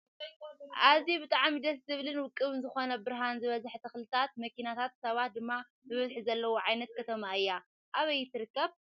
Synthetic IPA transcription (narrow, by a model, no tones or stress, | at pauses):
ʔazibɨt̪ʼaʕmid̪ɐszɨβlɨnwʊkʼːɨβɨnzɨxo̞nɐbɨɾɦanzɨβɐzħt̪ʰɐxlɨt̪ʰat̪̚mɐkʰinat̪ʰat̪sɐβat̪̚d̪ɨmːa | zɨβɐzħizɐlːɐwoʕajnɐt̪̚kʰɐt̪ʰɐmaɨjːa | ʔaβɐjːɪt̪ʰːɨɾɨkːɐβ